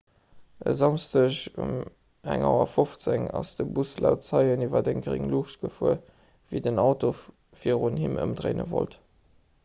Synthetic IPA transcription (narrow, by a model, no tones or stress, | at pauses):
əzɑmstəɕṵm | æŋɑʊɐfoft͡seŋɑsd̥əbuslaʊtt͡sɑɪənivɐdeŋɡʁḭŋluʃtɡ̥əfuə | v̥idənɑʊto | fiəʁunhimə̰mdʁeɪnəvo̰lt